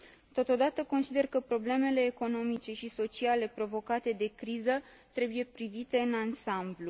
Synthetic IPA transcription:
t̪o̞t̪o̞d̪at̪əko̞nsid̪e̞rkəpɾo̞ble̞me̞le̞ːko̞no̞mit͡ʃe̞ʃiso̞t͡ʃiale̞pɾo̞vo̞kat̪e̞d̪e̞kɾizət̪ɾe̞buje̞pɾivit̪e̞ɨnansamblu

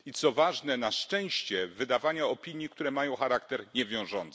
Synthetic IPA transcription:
it̪sɔvaʐnɛnaʂt͡ʂɛ̃w̃ɕt͡ɕɛvɘd̪avaɲaɔpʲiɲjik̚t̪uɾɛmajɔ̃w̃xaɾakt̪ɛɾɲɛvʲjɔ̃w̃ʐɔnt̪s

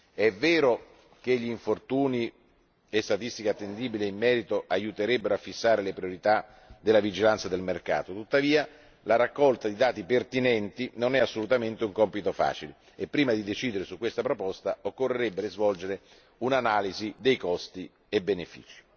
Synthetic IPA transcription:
ɛvɛːɾo | k̟eʎːiːɱfort̪uːni | est̪at̪ist̪ikat̪ːend̪iːbileimːɛːɾit̪oʔajut̪eɾɛbːeɾoafːisːaːɾelepɾioɾit̪a | d̪elavid͡ʒilant̪sad̪elmerka̰ːt̪ot̪ut̪ːaviːa | laɾakːɔlt̪ad̪id̪aːt̪ipert̪inɛnt̪inonɛasːolut̪ament̪euŋkɔmpit̪ofa̰ːt͡ʃile | epːɾiːmad̪id̪et͡ʃiːd̪eɾesukːwest̪apɾopɔst̪aokːorːeɾebːeɾezvɔld͡ʒeɾe | unanaːlizid̪ejkɔst̪i | ebenefḭːt͡ʃi̥

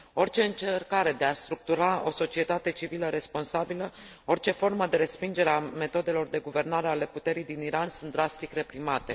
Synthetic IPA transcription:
o̞rt͡ʃe̞ɨnt͡ʃerkaɾe̞d̪e̞ast̪ɾuk̚t̪uɾao̞̰so̞t͡ʃie̞t̪at̪e̞t͡ʃiviləɾe̞spo̞nsabiləo̞rt͡ʃe̞fo̞rməd̪e̞ɾe̞spind͡ʒe̞ɾeame̞t̪o̞d̪e̞lo̞rd̪e̞ɡuve̞rnaɾe̞ale̞put̪e̞ɾijd̪iniɾansunt̪d̪ɾast̪ikre̞pɾimat̪e̞

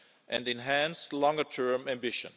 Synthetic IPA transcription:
ʔɨ̰̃ndɨ̃nɦæ̃nstlɔ̃ŋɡətʰɜ̃˞mæ̃mbɪʃə̰̃n

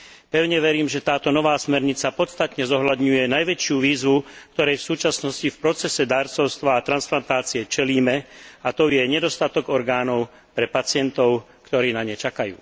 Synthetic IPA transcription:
pɛʊɲɛʋɛɾiːmʒɛt̪aːt̪ɔnɔʋaːsmɛɾɲit͡sapɔt̪st̪at̪ɲɛzɔɦʎad̪ɲujɛnajʋɛt͡ʃɪuʋiːzʋukt̪ɔɾɛjfsuːt͡ʃasnɔscifpɾɔt͡sɛsɛd̪aːɾt͡sɔʊst̪ʋaːt̪ɾansplant̪aːt͡sijɛt͡ʃɛliːmɛat̪ɔjɛɲɛd̪ɔst̪at̪ɔɡɔɾɡaːnɔʊ | pɾɛpat͡sɪɛnt̪ɔʊ | kt̪ɔɾiːnaɲɛt͡ʃakajṵː

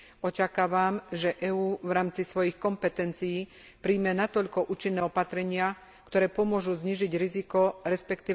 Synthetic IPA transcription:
ɔt͡ʃakaːʋamʒɛʔɛuːʋɾaːmt͡sisʋɔjixkɔmpɛt̪ɛnt͡sijiː | pɾiːmɛnat̪ɔʎkɔʔuːt͡ʃinːɛːɔpat̪ɾɛɲɪa | kt̪ɔɾɛːpɔmʊɔʒuzɲiːʒiɟɾizikɔɾɛspɛkt̪iː

